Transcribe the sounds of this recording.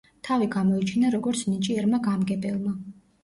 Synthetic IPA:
t̪ʰaviɡamɔit͡ʃʰinaɾɔɡɔɾt̪sʰnit͡ʃʼiɛɾmaɡamɡɛbʼɛlˠma

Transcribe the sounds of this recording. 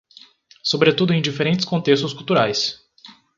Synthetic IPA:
sobɾet̪ud̪ʊẽj̃d͡ʒifeɾẽnt͡ʃɪ̥skõt̪est̪ʊskuwt̪uɾajs

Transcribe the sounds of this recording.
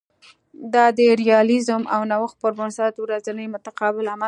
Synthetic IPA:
d̪ɑd̪əɾijɑlɪzʊmʔa̰wnawəx̚pəɾbʊnsɑt̪wɾazanəjmʊt̪aqɑbɪlama

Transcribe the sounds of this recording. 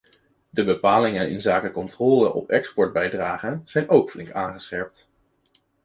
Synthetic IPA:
dəbəpaːlɪŋənɪ̰nzaːkəkɔntrɔːlənʔɔ̰pɛkspɔɹd̚bɛjdraːχənz̥ɛjnowkflɪŋkaːnχəsχɛɹp̚t

